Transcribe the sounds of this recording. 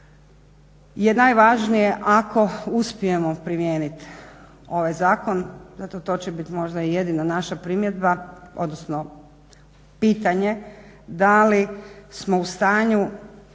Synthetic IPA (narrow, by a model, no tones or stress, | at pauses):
je̞naːjʋaʒnijeʔakʰo̞uspije̞mopɾimjeːnit̪ | o̞ʋajzaːko̞nzat̪ot̪o̞t͡ɕebit̪mo̞ʒd̪aijed̪inanaʃapɾimjed̪bao̞d̪nosno | piːt̪aɲe̞ | d̪alismo̞ust̪aːɲu